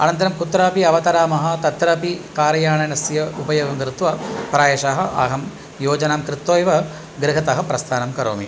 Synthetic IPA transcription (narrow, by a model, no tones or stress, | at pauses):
ɐ̰nɐnt̪̬ɐɾɐmkut̪ɾaːpiɐʋɐt̪ɐɾaːmɐɦɐ̆t̪ɐt̪ɾɐpikaːɾɐjaːɳɐnɐsjɐupɐjoːɡɐmkɾɪt̪ʋɐpɾaːjɐʂaːɦɐ̆ʔa̰ːɦɐm | joːd͡ʒɐnaːmkɾɪt̪ːoːjʋɐ | ɡɾɪɦɐt̪ɐɦɐpɾɐst̪ʰaːnɐmkɐɾo̰ːmḭ